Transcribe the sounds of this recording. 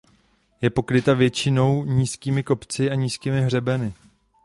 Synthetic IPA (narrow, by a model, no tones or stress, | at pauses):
jɛpo̞kɾɪt̪avjɛt͡ʃɪno̞wɲiːskiːmɪko̞pt͡sɪaɲiːskiːmɪɦr̝ɛbɛnɪ